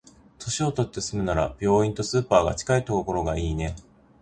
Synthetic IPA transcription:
t̪o̞ɕio̞t̪o̞t̪ːe̞sɨmɯ̟naɾa̰b̥ʲjo̞ːĩnt̪o̞sɨːpaːɡa̰t͡ɕi̥kait̪okoko̞ɾo̞ɡaiːne̞

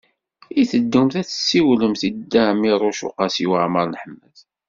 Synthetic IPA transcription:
iθəd̪ːumθæθə̥sːiwləmθid̪ːæmiɾˤʊʃʊ̰qɑsiwəʕməɾˤnəħəmːəθ

